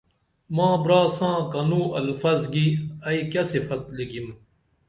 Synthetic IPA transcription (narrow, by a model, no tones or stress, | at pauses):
mãːbɾaːsãːkɐnũːɐlfɐzɡiɐikɐsifɐt̪liɡim